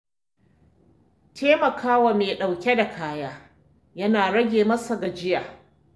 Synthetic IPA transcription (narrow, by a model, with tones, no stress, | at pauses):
tʰeː˦mɐ˨kʰaː˦wa˨meː˨ɗa˨wkʲe˦da˨kʰaː˦jaː˦ | jɐ˦naː˨ɽɐ˦ɡʲeː˨mɐ˦sa˨ɡa˨d͡ʒɪ˦jaː˨